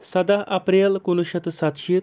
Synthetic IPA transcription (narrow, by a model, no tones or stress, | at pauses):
sɐd̪aʔɐpɾelkunuʃɐt̪sat̪ʃi